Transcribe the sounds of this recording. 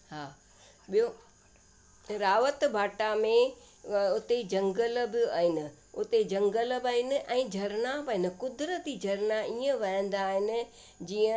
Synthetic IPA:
ɦaː | ɓijo | ɾaːʋət̪bʱaːʈamẽ | ʊt̪ed͡ʑɐ̃ŋɡəlbɪaːɦɪnɪ̆ | ʊt̪ed͡ʑɐ̃ŋɡəlbaːɦɪnɪ̆ʔɛ̃ːd͡ʑʱɐɾnaʋɐɦɪnɪ̆kʊd̪ɾət̪id͡ʑʱɐɾnaiːə̃ʋɐɦə̃n̆d̪aːɦɪnɪ̆ | d͡ʑiːə̃

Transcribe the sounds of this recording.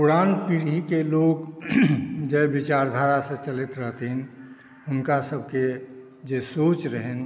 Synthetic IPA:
puɾanpiɾikeloɡ | d͡ʒɛbit͡ʃaɾd̪ʱaɾasẽt͡ʃəlit̪ɾəɦt̪ɦin | ʊnkasəb̚ʱke | d͡ʒesot͡ʃɾəɦɛn

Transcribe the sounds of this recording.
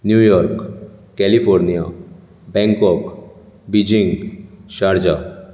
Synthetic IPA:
njujɔɾkkɛlifʰɔɾnija | bɛ̃ŋkɔk | bid͡ʑiŋɡʃaɾd͡ʑa

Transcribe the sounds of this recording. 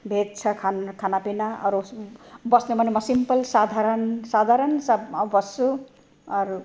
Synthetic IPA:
bʱet̪̚t͡sʰʌkʰankʰanapinaʌ̰ɾubʌsnemʱʌnemʌsimpʌlsad̪ʱaɾʌnsad̪ʱaɾʌnsabʌsu | ʌɾu

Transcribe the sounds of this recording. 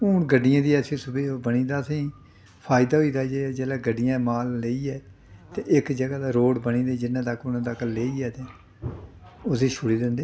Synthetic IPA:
ʊːnɡəɖːɪjãːd̪iːɛːesʊbeːbəniːd̪aːəsĩː | pʰaːɪd̪aːɦoiːd̪aːd͡ʒeːd͡ʒeːlaːɡəɖːɪjãːmaːlːəiːɛː | t̪ẽːʔɪkd͡ʒəɡaːd̪aːɾoːɽbənĩːd̪eːd͡ʒɪnːãːt̪əkʊnãːt̪əkleːiːɛːt̪ẽː | ʊseːʃʰʊɽiːd̪ɪnd̪eː

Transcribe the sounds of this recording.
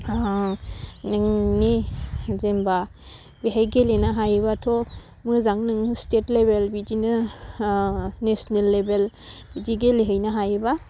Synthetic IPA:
nɯŋnezemba | biɦajɡelenaɦajbatʰo | mɯzaŋnɯŋstetlebelbidinɯ | nesnelːebel | bid͡ʒiɡeleɦɯjnaɦajba

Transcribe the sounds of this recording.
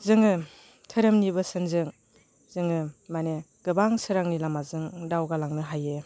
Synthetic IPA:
zɯŋɯ | tʰɯɾɯmnibɯsɯnzɯŋ | z̥ɯŋɯmane | ɡ̥ɯbaŋsɯɾaŋnilamazɯŋdawɡalaŋnɯɦaje

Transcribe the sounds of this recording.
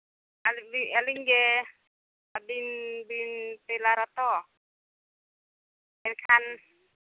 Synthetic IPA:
alibialiŋɡɛ | abinbinpɛlaɾat̪ɔ | ɛnkʰan

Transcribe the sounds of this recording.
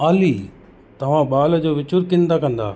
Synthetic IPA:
aːliː | t̪ɐʋ̤ãɓaːld͡ʑoːʋɪt͡ɕʊɾkɪ̃nd̪akɐ̃nd̪a̰ː

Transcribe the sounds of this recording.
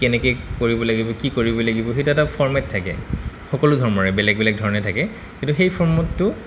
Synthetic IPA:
kɛnɛkejkoɹibɔlaɡibɔkikoɹibɔlaɡibɔxetuɛtapʰɔɹmɛtʰːakɛ̰ | xɔkɔlʊdʱɔɹmɔɹɛbɛlɛɡ̚bilaɡ̚dʱɔɹɔnɛtʰakɛ | kĩntuxejpʰɔɹmɔtːʊ

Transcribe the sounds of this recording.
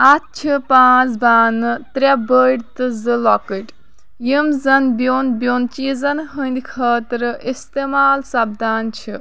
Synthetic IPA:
at̪̚t͡ʃʰipãːt͡sbaːnɨt̪ɾʲabəɽt̪ɨzɨlɔkɨʈ | jimzɐnbjoːnbʲjoːnt͡ʃizɐnɦənd̪ikʰəːt̪ɾɨist̪eːmaːlsɐbd̪ʱaːnt͡ʃʰi

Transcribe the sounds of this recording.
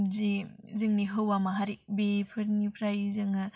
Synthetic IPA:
zizɯŋniɦɯwamaɦaɾibepʰɯɾnipʰɾajzɯŋɯ

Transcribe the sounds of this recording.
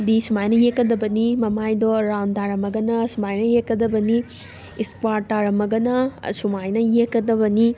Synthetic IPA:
disumajnɐjekːɐd̪ɐbɐnimɐmajdɔɾawndaɾɐmɐɡɐnɐsumajnɐjekːɐd̪ɐbɐni | iskwaɾtaɾɐmɐɡɐnɐsumajnɐjekːɐd̪ɐbɐni

